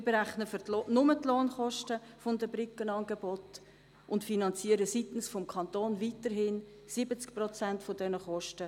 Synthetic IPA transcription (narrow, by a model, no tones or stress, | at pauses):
beɾæχnəfʏtlonʊmətloːnχɔʃtəfʊndəbɾɪkənɑnɡebɔt | ʔʊntfinɑnt͡siəɾəsitn̩sfɔmkʰɑntoːnvitəɾɦɪn | sɪbət͡skprɔt͡sæntfodɛnəχɔʃtə